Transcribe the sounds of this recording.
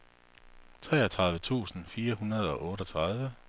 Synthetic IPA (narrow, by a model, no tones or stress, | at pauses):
t͡sʰʁɛ̰ːæt͡sʰʁɑ̈ð̞ˠʋət͡sʰṵːsn̩fiːɐhunɐð̞ˠɒ̽ʔɔ̽ːɾɒt͡sʰʁɑðˠʋə